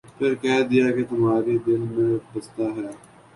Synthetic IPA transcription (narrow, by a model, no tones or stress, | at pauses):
pʰɪɾkɛːd̪ɪjaːket̪ʊmaːɾed̪ɪlmẽbɐst̪aːɦɛː